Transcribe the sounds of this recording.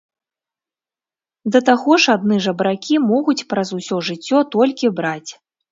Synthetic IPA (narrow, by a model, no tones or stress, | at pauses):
d̪ɐt̪aɣɔʂad̪̚nɨʐɐbɾakʲimɔɣut͡sʲpɾɐzusʲɔʐɨt͡sʲːɔt̪ɔlʲkʲibɾat͡sʲ